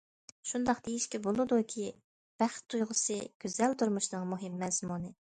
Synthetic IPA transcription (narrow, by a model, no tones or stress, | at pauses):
ʃund̪ɑqd̪̥ejiʃkʲɛbolˠɨd̪ukʲʰi | b̥æχt̪ʰːujʁəsɨɡ̥ʲyzɛlt̪ʰuɾmuʃnɨŋmuɦɪmːɛzmunɨ